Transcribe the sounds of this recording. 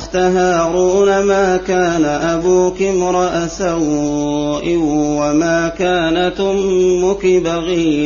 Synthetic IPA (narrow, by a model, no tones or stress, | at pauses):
xt̪aɦaːɾuːnamaːkaːnaʔabuːkɪmɾˤɑʔasaw | ʔɪwamaːkaːnat̪ʊmːʊkɪbaɣiː